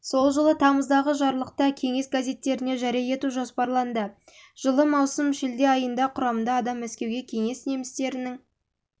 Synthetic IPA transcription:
so̞lˠʒəlˠət̪ʰɑməzd̪ɑʁəʒɑɾlˠəq̚t̪əkʲʰe̞ŋe̞sɡaze̞t̪ːe̞ɾɪne̞ʒæɾijɑe̞t̪uʒo̞spɑɾlˠɑnd̪ə | ʒ̥əlˠəmɑwsəmʃɪld̪e̞ɑjənd̪ɑqʰʊɾɑmənd̪ɑːd̪ɑmːæskʲe̞wɡʲe̞kʲʰe̞ŋe̞sne̞mɪst̪e̞ɾɪnɪŋ

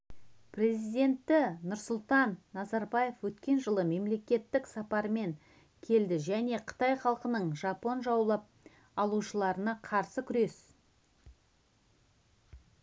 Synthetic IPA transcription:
prʲe̞zijd̪ʲe̞nt̪ːɪnʊɾsʊlˠt̪ɑnːɑzɑɾbɑje̞fwɵt̪kʲe̞nʒəlˠəme̞mle̞kʲe̞t̪ːɪksɑpɑɾme̞ŋ | kʲʰe̞ld̪ɪʒæne̞qʰə̥t̪ɑjχɑlˠqənəɴʒɑpo̞nʒɑwlˠɑp̚ | ɑlˠuʃəlˠɑɾənɑqʰɑɾsəkʲʰʏɾe̞s

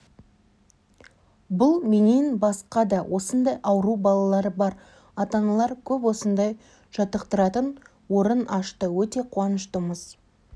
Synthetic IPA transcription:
bʊlˠmenenbɑsqɑd̪ɑwʔo̞sənd̪ɑjʔɑwəɾubɑlˠɑlˠɑɾəbɑɾ | ɑt̪ɑɴɑlˠɑɾkʲʰɵpwo̞sənd̪ɑj | ʒ̥ɑt̪əqt̪əɾɑt̪ən | wo̞ɾənʔɑʃt̪əwɵt̪e̞qʰuɑnəʃt̪əməz̥

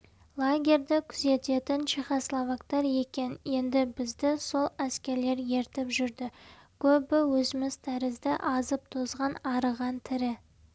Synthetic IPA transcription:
lˠaɡʲe̞ɾʲd̪ɪkʲʰʏze̞t̪e̞t̪ɪnʃiχoslˠovakt̪ɑɾje̞kʲe̞nje̞nd̪ɪbɪzd̪ɪso̞lˠæskʲe̞ɾle̞ɾje̞ɾt̪ɪpʒʏɾd̪ɪ | kʲʰɵbɪwɵzɪmɪzt̪ʰæɾɪzd̪ɪʔɑzəp̚t̪ʰozʁɑnɑɾəʁɑnt̪ʰɪɾɪ

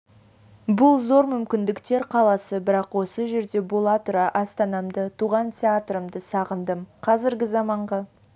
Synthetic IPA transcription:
bʊlˠzo̞ɾmʏmkʲɪnd̪ɪkt̪e̞ɾqʰɑlˠɑsəbɪɾɑqwo̞səʒe̞ɾd̪e̞bo̞lˠɑt̪ʊɾɑʔɑst̪ɑnɑmd̪ət̪ʰuʁɑnt̪ʲʰeat̪ɾəmd̪əsɑʁənd̪əmqʰɑzɪɾɡʲɪzɑmɑɴʁɑ

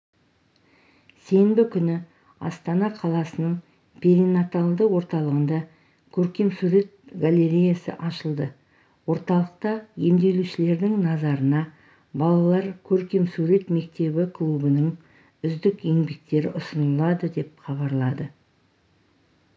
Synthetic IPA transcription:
se̞jmbɪkʲʰʏnɪ | ɑ̰st̪ɑnɑqʰɑlˠɑsənəɴ | pʰe̞ɾinat̪alˠd̪əwo̞ɾt̪ɑlˠəʁənd̪ɑ | kʲʰɵɾkʲe̞msuɾe̞t̪̚ɡalʲeɾʲijasə̰ʔɑʃəlˠd̪ə | wo̞ɾt̪ɑlˠəq̚t̪ɑje̞md̪e̞luʃɪle̞ɾd̪ɪŋnɑzɑɾənɑ | bɑlˠɑlˠɑɾkʲʰɵɾkʲe̞msuɾe̞t̪me̞k̚t̪e̞bɪkʰlˠubənəɴ | ʏzd̪ɪkje̞ŋbe̞k̚t̪e̞ɾɪʔʊsənəlˠɑd̪əd̪e̞p̚χɑβɑɾlˠɑd̪ə

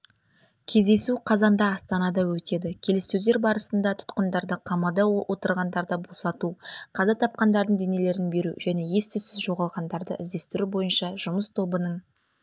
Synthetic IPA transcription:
kʲʰe̞zd̪e̞suqʰɑzɑnd̪ɑːst̪ɑnɑd̪ɑwɵt̪e̞d̪ɪkʲʰe̞lɪsɵze̞ɾbɑɾəsənd̪ɑt̪ʰʊ̥t̪qənd̪ɑɾd̪əqʰɑmɑd̪ɑwʔo̞t̪əɾʁɑnd̪ɑɾd̪ɑbo̞sɑt̪uqʰɑzɑt̪ʰɑp̚qɑnd̪ɑɾd̪əɴd̪e̞ne̞le̞ɾɪnbe̞ɾuʒæne̞je̞st̪ɪsɪzʒo̞ʁɑlˠʁɑnd̪ɑɾd̪ə̰ʔɪzd̪e̞st̪ɪɾubo̞jənʃɑʒʊməst̪ʰo̞bənəɴ

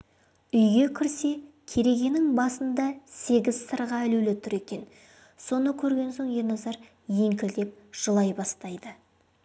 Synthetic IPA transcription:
ʏjɡʲe̞kʲʰɪɾse̞ | kʲʰe̞ɾe̞ɡʲe̞nɪŋbɑsənd̪ɑse̞ɡʲɪzsəɾʁɑælɵlet̪ʰʊɾe̞kʲe̞n | so̞nəkʲʰɵɾɡʲe̞nso̞ɴjenɑzɑɾ | je̞ŋkʲɪld̪e̞p̚ʒ̥əlˠɑjbɑst̪ɑjd̪ə

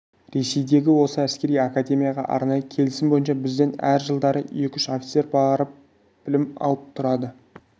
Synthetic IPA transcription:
ɾe̞se̞jd̪e̞ɡʲɪwo̞səæskʲe̞ɾijakad̪ʲe̞mʲijaʁɑ̰ʔɑ̰ɾnɑjəkʲʰe̞lɪsɪmbo̞jənʃɑbɪzd̪e̞næ̰ɾʒəlˠd̪ɑɾəe̞kʲʏʃofʲi̥t̪se̞ɾbɑɾəp̚ | b̥ɪlɪmɑ̰lˠəp̚t̪ʰʊɾɑd̪ə

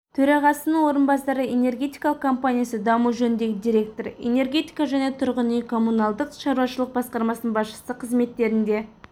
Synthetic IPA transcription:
t̪ʰɵɾɑʁɑsənəɴwo̞ɾənbɑsɑɾəe̞ne̞rɡʲe̞t̪ijkɑlˠəqkʰo̞mpanʲijasəd̪ɑmuʒɵnd̪e̞ɡʲɪd̪iɾʲe̞k̚t̪oɾḛne̞rɡʲe̞t̪ijkɑʒæne̞t̪ʰʊɾʁənijkʰo̞mːunɑlˠd̪əqʃɑɾuwɑʃəlˠəq̚bɑsqɑɾmɑsnənbɑsʃə̥səqʰəzme̞t̪ːe̞ɾɪnd̪e̞

